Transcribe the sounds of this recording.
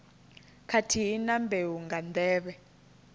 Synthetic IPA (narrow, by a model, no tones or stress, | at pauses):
kʰatʰiɦinambewuŋɡand̪ɛːβɛ